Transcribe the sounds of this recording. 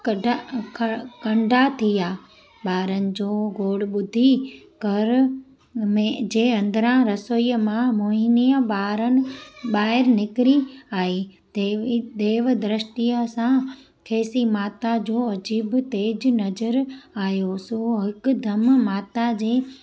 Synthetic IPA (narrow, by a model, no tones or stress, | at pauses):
kɖakkɐ̃ɳɖʱat̪ʰiaː | ɓaːɾənɪ̆d͡ʑoːɡʱoːɽɓʊd̪ʱi | kɐɾ | mẽd͡ʑeːɐ̃nd̪ɾãɾɐsoiːəmãmoːɦɪnijə̃ɓaːɾənɪ̆ɓaːɦɪɾnɪkɾiaːi | d̪eːʋd̪ɾɪʃʈijəsã | kʰeːsimaːt̪ad͡ʑoːɐd͡ʑiːbt̪eːd͡ʑɪnɐzəɾaːjosoɦɪkʊd̪ʱɐmmaːt̪ad͡ʑeː